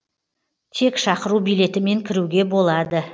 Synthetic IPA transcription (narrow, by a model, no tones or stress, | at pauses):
t̪ʰe̞kʃɑqəɾubijle̞t̪ɪme̞ŋkʲʰɪɾuɡʲe̞bo̞lˠɑd̪ə